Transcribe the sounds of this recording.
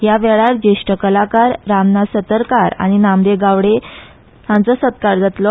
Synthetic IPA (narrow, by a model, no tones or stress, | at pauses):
jaʋɛɭaɾd͡ʑeɕʈəkəlakaɾːamnasət̪əɾkaɾa̰ɽ̃inamd̪eɡaʋɽe | hãnt͡səsət̪kaɾd͡zat̪lɔ